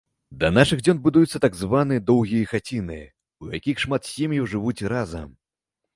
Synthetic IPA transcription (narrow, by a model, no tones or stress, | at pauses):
d̪ɐnaʂɨɣd͡zʲɔnbud̪ujut̪sːɐt̪aɡzvanɨjɐd̪ɔwɣʲijɐxat͡sʲinɨɐ | ujakʲixʂmat̪sʲemʲjiwʐɨvut͡sʲɾazɐ̰m